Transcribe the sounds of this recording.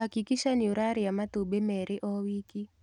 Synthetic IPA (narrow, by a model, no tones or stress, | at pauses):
akikiʃaniuɾaɾɪjamat̪obemɛɾʔɪʔɔwiki